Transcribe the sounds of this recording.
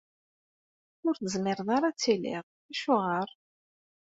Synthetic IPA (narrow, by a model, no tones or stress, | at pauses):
ʊɾθəzmɪɾðˤɑɾˤɑt͡sːilɪ̰ʁ | æʃʊʁəɾˤ